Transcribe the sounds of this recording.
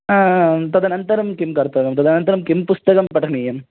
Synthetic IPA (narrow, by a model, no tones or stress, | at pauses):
aːt̪ɐd̪ɐnɐnt̪ɐɾɐmkimkɐːɾp̪ɐɐkɐmt̪ɐd̪ɐnɐnt̪ɐɾɐmkimpust̪ɐkɐmpɐʈʰɐnijɐm